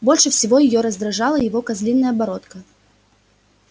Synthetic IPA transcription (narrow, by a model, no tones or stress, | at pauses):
bo̞lʲʂɨfsʲɪvo̞jɪjoɾəzd̪ɾɐʐɑlˠəjɪvo̞kɐzlʲinːəjəbɐɾo̞t̪kə